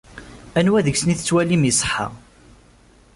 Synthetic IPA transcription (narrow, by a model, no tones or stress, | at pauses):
ænwæðəɡsəniθət͡sːwælimisˤə̥ħa̰ʁ